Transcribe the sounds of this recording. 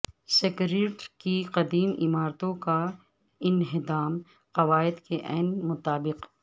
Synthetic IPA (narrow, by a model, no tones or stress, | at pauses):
sɪkɾeːʈkiqɐd̪iːmɪ̰maːɾt̪õka | ɪnɦɪd̪aːm | qɐʋaːɪd̪keʔɛːnmʊt̪aːbɪq